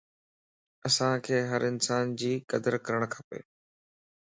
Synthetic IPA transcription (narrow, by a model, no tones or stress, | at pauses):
əsãkʰeːɦəɾɪnsaːnd͡ʑiːkəd̪əɾkəɾəɽ̃kʰapḛː